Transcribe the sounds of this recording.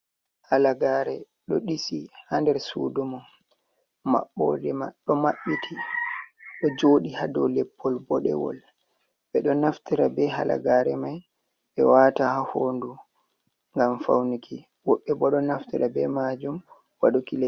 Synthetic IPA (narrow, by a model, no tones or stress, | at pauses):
halaɡaɾɛ | ɗɔɗisihandɛɾsṵːdumɔ | ma̰ɓːɔ̰dɛma̰ɗɔmaɓːitʰi | ɗɔd͡ʒoɗihadɔlɛpːɔlbɔɗɛ̰wɔ̰l | ɓɛɗɔnaftiɾabɛɦa̰la̰ɡaɾɛmaj | ɓɛwatahahoːndu | ŋɡamfawnikʰi | wɔɓːɛbɔɗɔnaftiɾabɛmad͡ʒum | waɗukilɛ